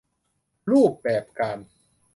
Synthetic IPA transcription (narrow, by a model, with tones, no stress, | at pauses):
ɾuː˥˩p̚bɛː˨˩p̚kaː˧n